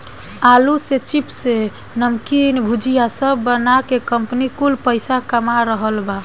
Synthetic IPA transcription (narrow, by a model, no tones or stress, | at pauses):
aluset͡ʃipse | nəmkinbʱud͡ʒijasəbːənakekəmpnikulpəɪsakəmaɾəɦəlba